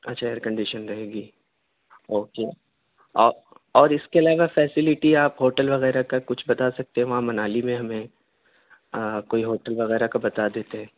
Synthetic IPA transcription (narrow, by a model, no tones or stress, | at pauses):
ɐtːʃʰaeəɾkɐ̃ɳɖɪʃənɾɐɦeːɡiː | oːkeː | ɔː | ɔːɾɪskeɐlaːʋafɛːsɪlɪʈiaːpɦoːʈəlʋɐɣɛːɾakakʊt͡ʃʰbɐt̪asɐk̚t̪ẽɦɛ̃ʋɐɦãmɐnaːlimẽɦɐmẽ | koːiɦoːʈəlʋɐɣɛːɾakabɐt̪ad̪eːt̪eɦɛ̃ː